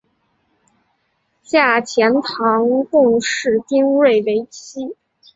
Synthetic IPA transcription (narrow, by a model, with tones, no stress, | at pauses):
ɕja˥˩t͡ɕʰjɛ˧˥nt̪ʰɑ˧˥ŋkʊ˥˧ŋʂɻ̩˥˩t̪i˥ŋwe˥˩ɪwe˧˥ɪt͡ɕʰi˥